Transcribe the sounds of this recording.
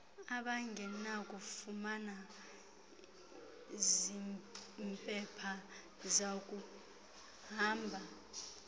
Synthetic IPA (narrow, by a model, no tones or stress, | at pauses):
aɓaŋɡʱɛnakʼufumana | zimpʼɛpʰa | zakʼu | ɦaːmbʱa